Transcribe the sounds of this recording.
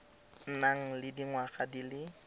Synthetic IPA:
n̩naŋ̩lɪdiŋwaχadilɪ

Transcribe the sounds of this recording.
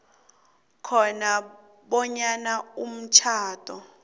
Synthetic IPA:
kʰɔna | ɓɔɲanaum̩t͡ʃʰaːtʼɔ

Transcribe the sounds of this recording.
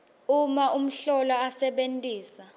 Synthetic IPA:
umaʔum̩ɬɔlɔasɛɓentʼiːsa

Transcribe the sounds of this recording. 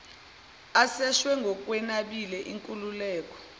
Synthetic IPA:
asɛʃwɛŋɡʱɔk̬ʼwɛnaɓilɛʔiŋkʼululɛːk̬ʼɔ̥

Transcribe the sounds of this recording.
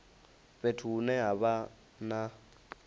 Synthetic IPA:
ɸetʰuːnɛɦaβa | na

